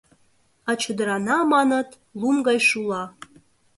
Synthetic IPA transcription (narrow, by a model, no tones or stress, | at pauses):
ɑt͡ɕəd̪əɾɑnɑmɑnɤ̆t̪ | lˠumɡɑjʃulˠɑ